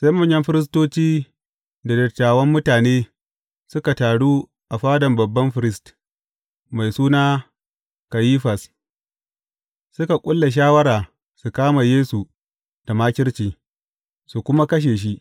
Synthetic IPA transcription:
sa˦jmɐ˦˨ɲjɐ˦mɸɪ˦ɾɪ˦s̬toː˦t͡ʃiː˦ | da˨dɐ˨tːaː˨wɐ˦mːʊ˦taː˨neː˦ | sʊ˦ka˨taː˨ɽuː˦ | ʔa˨ɸaː˦dɐ˨mbɐ˨bːɐ˦mɸɪ˦ɾɪ˦st | ma˨jsuː˦naː˦ | ka˨jiː˦ɸɐ˨s | sʊ˦ka˨kʷʼʊ˦lːa˨ʃ̬aː˦wɐ˦ɾaː˨ | su˨kaː˦ma˨jeː˦su˨ | d̥a˨maː˦kʲɪ˦ɽt͡ʃiː˨ | su˨kʷʊ˦ma˦kɐ˦ʃ̬eː˨ʃ̬i˦

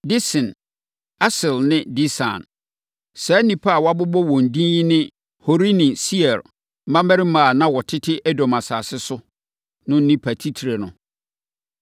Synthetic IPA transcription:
di˦sɪ̃˨n | a˦sɪ˨lnɪ̃˦di˦sã̰˨n | sɛ˨˦nĩ˨pʰa˦a˨wa˦bʊ˦bɔ˦wɔ̃˨n̩˨dĩ˦ji˦nɪ̃˦ | ho˨ɾi˦nɪ̃˨si˦ɛ˨ɾ | m̩˦mã˦mɛ̃˦ɾɪ˦mãː˨nã˦wɔ˨tʰɪ˦tʰɪ˦ʔɛ˦dɔ̃˨ma˨saː˨sɪ˦sʊ˦ | nʊ̃˦n̩˦nĩ˦pʰa˨tʰi˦tʰi˨ɾe˨nʊ̰̃˨

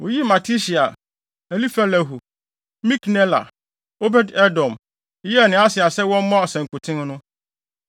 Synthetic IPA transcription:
wo˨ji˦ma˨tʰi˦ɕi˨a˨ | ɛ˨li˦fa˦læ˨ɦu˨ | mĩ˦knɛ˦la̰˨ | o˦bɛ˦dɛ˦dɔ̃˨m˦ | jɛ˦˨nɪ̃˨˦a˦sɪ˨a˨sɛ˦wɔ̃˦m˦mã˦ɔ˨sɛ̃˨ŋ˨kʊ˨tʰɪ̃˦ŋ˦nʊ̃˦

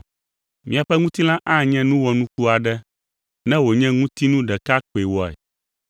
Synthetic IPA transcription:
mĩ˨a˨ɸɛ˦ŋũ˦t̪i˦l̃ã˦ʔa˦ɲɛ̃˦nũ˦wɔ˨nũ˦ku˦a˨ɖɛ˦ | nɛ̃˦wo˨ɲɛ̃˦ŋũ˦t̪i˦nũ˦ɖɛ˨ka˦k͡pe˨wɔ˨ɛ̰˨

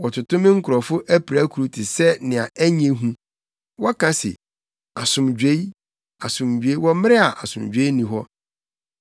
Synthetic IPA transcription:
wɔ˨tʰʊ˨tʊ̃˦mɪ̃˦ŋ̩˦kʰʊ˨ɾɔ˨fʊ˦ʔæ˦pʰi˨ɾa˦kʰu˨ɾu˦tʰɪ˨sɛ˦nɪ̃˨a˨ʔæ˦ɲ˦ẽ˦ɦũ˦ | wɔ˦kʰã˦sɪ̰˨ | a˨sʊ̃˨md͡ʑᶣe˦i˦ | a˨sʊ̃˨md͡ʑᶣe˦i˦wɔ˦mɪ̃˦ɾɪ˦a˨ʔa˨sʊ̃˨md͡ʑᶣeː˦i˦nĩ˨ɦɔ˦

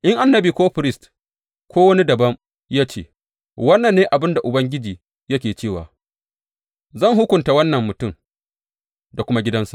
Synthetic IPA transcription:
ʔɪ˦ŋʔa˨nːɐ˦biː˨kʷoː˦ɸɪ˨ɾɪ˦st | kʷoː˦wɐ˦ni˦dɐ˨bɐ˦m | jaː˦t͡ʃḛː˦˨ | wɐ˦nːɐ˨nːeː˦ʔa˨bɪ˦nda˨ʔʊ˨bɐ˦ŋɡʲɪ˦d͡ʒiː˨ | jɐ˦kʲeː˨t͡ʃeː˦˨wa̰ː˨ | zɐ˦˨ŋɦʊ˦kʷʊ˨nta˨wɐ˦nːɐ˨mːʊ˨tʊ˦˨m | da˨kʷʊ˦ma˦ɡʲɪ˦dɐ˦nsa˨ʔ

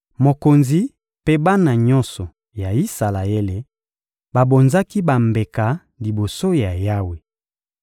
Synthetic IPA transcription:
mo˨ko˨nzi˦ | pe˦ba˦na˨ɲɔ˦nsɔ˨ | ja˨i˦sa˨la˨e˦le˨ | ba˨bo˨nza˦ki˦ba˨mbe˨ka˨ | li˨bo˨so˦ja˨ja˦we˨

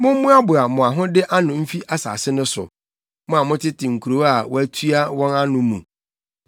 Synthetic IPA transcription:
mʊ̃˦m˦mũ˦a˦bʊ˨a˨mʊ̃˨a˨ɦʊ̃˦dɪ˦ʔa˦nʊ̃˨m̩˦fi˦ʔa˦sa̰ː˨sɪ˦nʊ̃˦sʊ̰˨ | mʊ̃˦a˨mʊ̃˦tɪ˦tʰɪ˨ŋ̩˨kʰu˨ɾo˨˦a˨wɔ˦æ˦tʰɥa˦wɔ̃˦nã˦nʊ̃˨˦mũ˨

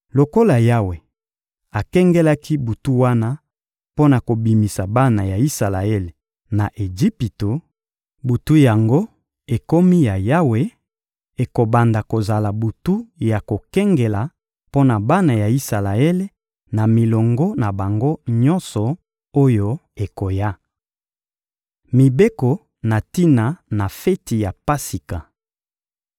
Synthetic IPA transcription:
lo˨ko˦la˨ja˦we˨ | a˨kɛ˦ŋɡɛ˦la˦ki˦bu˨tu˦wa˦na˦ | po˦na˨ko˨bi˨mi˨sa˨ba˦na˨ja˨i˦sa˨la˨e˦le˨ | na˨ʔe˨d͡ʒi˦pi˨to˨ | bu˨tu˦ja˨ŋɡo˦ | e˨ko˦mi˦ja˨ja˦we˨ | e˨ko˨ba˨nda˨ko˨za˨la˨bu˨tu˦ja˨ko˨kɛ˦ŋɡe˨la˨ | po˦na˨ba˦na˨ja˨i˦sa˨la˨ɛ˦le˦ | na˨mi˨lɔ˨ŋɡɔ˦na˨ba˨ŋɡo˦ɲɔ˦nsɔ˨ | o˦jo˦e˨ko˨ja˦ | mi˨be˦ko˨ | na˨ti˦na˨na˨fɛ˦ti˨ja˨pa˦si˨ka˨

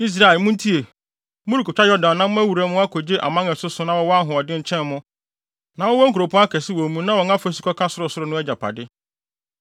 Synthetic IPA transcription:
i˦s̬ɾa˦ɛ˨lmʊ̃˦n˦tʰi˦e˨ | mʊ̃˦ɾi˨kʰɔ˨t͡ɕᶣa˦jɔ˦dã˨nːã˦mʊ̃˦æ˦wu˨ɾa˨mʊ̃˦a˦kʰo˨d͡ʑe˦ʔa̰˨mã˦ŋɛ˨sʊ˦sʊ˦nã˨wɔ˦wɔ˦a˦ɦʊ̃˨ɔ˨dɪ̃˦ɲ̩˨t͡ɕʰɛ̃˦nːʊ̃˦ | nã˨wɔ˦wɔ˦ŋ̩˦ku˨ɾo˨pʰʊ̃˦a˦kʰɛ˨sɪ˦wo˨mũ˦nã˦wɔ˨ŋ˦ã˦fo˦si˦kʰɔ˦kʰã˦sʊ˦ɾʊ˨sʊ˦ɾʊ˨˦nʊ̃˦æ˦d͡ʑa˨pʰa̰˨dɪ˦

